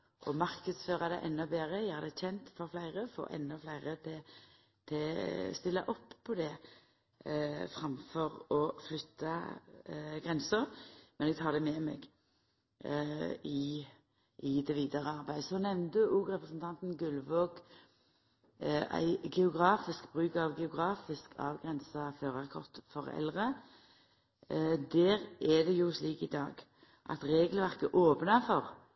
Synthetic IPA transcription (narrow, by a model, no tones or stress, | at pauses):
ʔɔmɑʁkəd̪sføːʁɑd̪æʔɛnːɔbeːʁəæhæɾd̪ɛçɛnt̪fɔɾflæɪʁəfo̰ːʔɛ̰nːɔflæɪʁət̪ʰɪ | t̪ʰɛst̪ɪlːɑ̰ʔɔpʰːɔd̪ɛ | fʁɑmfɔʁɔflʏt̪ʰːɑ | ɡʁɛnsəʁmɛnɛɡ̚t̪ʰɑːd̪ɛmɛmɛ̰ɡ | ɪ | ʔɪd̪ɛʋiːd̪ɑʁəɑʁbæɪd̪əsɔnɛʋnd̪əʔuːɡʁɛpɾəsn̩t̪ʰɑnt̪nɡʉlʋoːk | æ̰ɪɡɛʊɡʁɑːfɪskbʁʉːkɑʋɡɛʊɡʁɑːfɪskʰɑ̰ːʋɡʁɛnsɑføːʁɑʁkʰɔ̰ʁt̪fɔʁɛ̰lʁə | d̪æːʁɛd̪ɛjʊsliːkɪd̪ɑ̰ːɡ | ʔɑ̰t̪ɾeːɡəlʋæʁkəʔoːpnɑfɔʁ